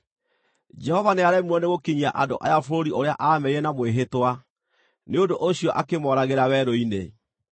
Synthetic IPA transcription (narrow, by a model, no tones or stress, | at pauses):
d͡ʒɛhɔvaneaɾɛmwɔneɣokiɲiaʔadoʔajafoɾoɾiʔoɾeaʔamɛiɾɛnamweɦetwa | neondoʔoɕiɔʔakemɔɾaɣeɾawɛɾɔinḛ